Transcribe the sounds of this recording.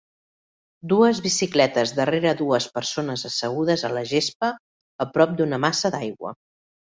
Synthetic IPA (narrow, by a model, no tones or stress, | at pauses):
d̪uəzβisiklɛt̪əzd̪əreɾəðuəspəɾsonəzəsəɣ̞uð̞əzələʒesp̚əː | pɾɔp̚d̪unəmasəd̪ajɣwə̰